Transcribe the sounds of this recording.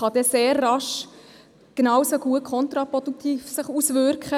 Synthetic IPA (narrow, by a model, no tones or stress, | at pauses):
χɑd̥ɛseːrːɑʃ | ɡ̥enɑwsoɡ̥uət̚kʰχɔnt̪ɾɑpɔd̥ukt̪iːfsɪχusvʏɾkχə